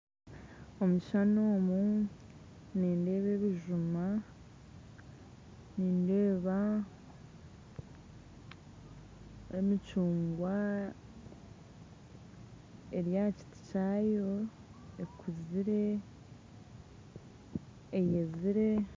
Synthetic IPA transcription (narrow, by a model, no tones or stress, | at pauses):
o̞muʃano̞ːmu | niːnde̞ːβe̞βiʒuma | niːnde̞ːβa | emit͡ʃuːŋɡwa | eɾjaci̥ti̥cajo̞ | ekuziɾe | jeziɾe̞